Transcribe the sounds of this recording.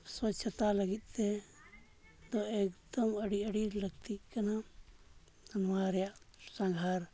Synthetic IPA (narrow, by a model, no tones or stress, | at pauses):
swətt͡ʃʰːət̪aləɡit̪̚ˀt̪ɛ | d̪ɔɛkd̪əməɽiəɽiləɡt̪ikana | d̪ʱanwaɾɛjaʔsãŋɡʱaɾ